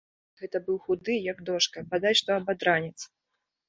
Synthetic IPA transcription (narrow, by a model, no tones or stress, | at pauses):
ɣɛt̪ɐbɨwxud̪ɨjɐɡd̪ɔʂkɐbad̪at͡sʲʂt̪ɔɐbad̪ɾanʲɛt̪s